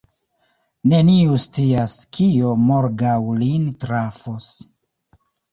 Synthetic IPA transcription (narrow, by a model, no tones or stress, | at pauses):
ne̞niust͡siaskʰio̞moɾɡawlintɾafos